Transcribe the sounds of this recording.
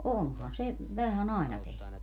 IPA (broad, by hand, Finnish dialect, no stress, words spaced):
onhɑn se ʋæhæn ɑˑenɑ tehny